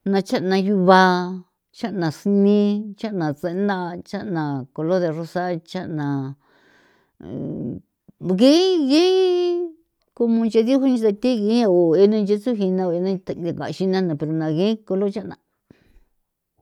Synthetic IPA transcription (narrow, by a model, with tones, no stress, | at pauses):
nã˧t͡ʃa˦ʔnã˧ju˧βa˧˦ | t͡ʃa˦ʔnã˨snĩ˦t͡ʃa˦ʔnã˨t͡se˧˦nd̪a˦˧t͡ʃa˦ʔnã˨ko˧lo˦ðe˧ro˧sa˦t͡ʃa˦ʔnã˨ | ɣẽ˦ɣe˦ | ko˧mõ˧nt͡ʃe˧ðu˦ɦu˦ɲĩ˧t̪a˧t̪i˦ɣẽ˧˦a˧o˨e˧nã˧nt͡ʃe˦t͡su˦ɦi˧nã˧o˧e˧nã˧a˨ka̰˨ʃi˧nã˦nã˨pe˧ɾo˧nã˧ɣẽ˦ko˧lo˦t͡ʃa˦ʔnã̰˧